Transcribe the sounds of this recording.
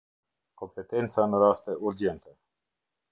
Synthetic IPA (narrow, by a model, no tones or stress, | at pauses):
kompet̪ent̪sanoɾast̪əʔuɾd͡ʒent̪ə